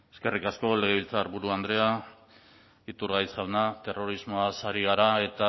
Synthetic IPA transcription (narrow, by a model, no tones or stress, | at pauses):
e̞ske̞rikasko̞le̞ɣeilt͡saːɾβuɾuand̪ɾe̞a | it̪uɾɣajsʝawnat̪e̞ro̞ɾizmo̞asaɾiɣ̞aɾae̞t̪a